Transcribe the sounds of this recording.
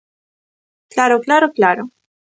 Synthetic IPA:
klaːɾoklaːɾoklaːɾo

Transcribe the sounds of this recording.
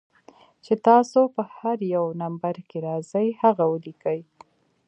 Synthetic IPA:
t͡ʃet̪ɑsopəhaɾjawnambaɾkeɾɑz̥əjhaɣawəlikəj

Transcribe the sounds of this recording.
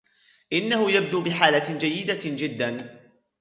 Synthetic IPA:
ʔɪnːahʊjab̚d̪uːbɪħaːlad͡ʒajːɪd̪ad͡ʒɪd̪ːan

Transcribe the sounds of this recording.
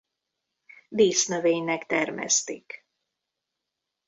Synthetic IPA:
d̪iːsnøveːɲnɛkt̪ɛrmɛ̰st̪ik

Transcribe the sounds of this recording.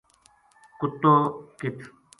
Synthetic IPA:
kʊt̪ːokit̪ʰ

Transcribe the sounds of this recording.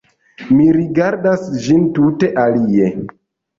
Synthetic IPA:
miɾiɡaɾdasd͡ʒintute̞ʔalie

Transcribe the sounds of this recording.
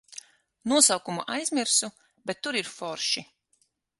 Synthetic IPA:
nuɔsawkumuʔajzmiɾsu | bɛt̪ːuɾiɾfɔɾʃi

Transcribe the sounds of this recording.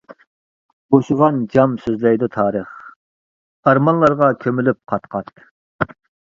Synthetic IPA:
boʃuʁɑnd͡ʒɑmsøzlɛjd̪ut̪ʰɑːɾəχ | ɑɾmɑnlˠɑɾʁɑkʲʰømylyp̚qʰɑt̪qɑt̪

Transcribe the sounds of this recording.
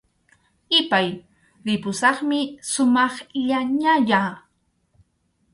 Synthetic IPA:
ɪpaj | ɾɪpʊsɑχmɪsʊmɑχɪʎaɲaʎa

